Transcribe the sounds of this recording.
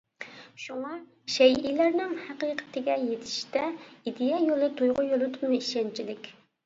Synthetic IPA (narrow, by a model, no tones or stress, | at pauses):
ʃuŋɑ | ʃɛjilæɾnɪŋhæqiːqʰə̥t̪ʰɪɡʲɛjet̪ʰɪ̥ʃt̪ɛid̪ejɑjolˠɨt̪ʰujʁʊjolˠɨt̪ʊnɨiʃɛnt͡ʃʰilɪkʲ